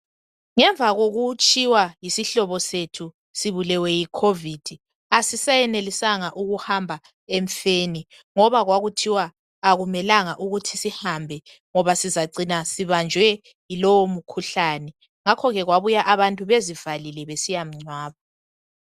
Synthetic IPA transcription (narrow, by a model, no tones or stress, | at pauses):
ŋɛɱvʱaɣoɣut͡ʃʼiwajisiɬɔβɔsetʰu | siβulɛwɛjikʰovid̥ʱi | asisajɛnelisaŋaʔuɣuhambʱa | eɱfeni | ŋɔβaɣwaɣutʰiwaː | ɣumɛlaŋaʔuɣutʰisihambʱɛ | ŋɔβasizaǀinasiβand͡ʒʱwɛ | ilowomukʰuɬaːnɛ | ŋakʰɔɣɛɣwaβujaʔaβantʼuβezivalilɛβesijam̩ŋ͡ǀwaːβa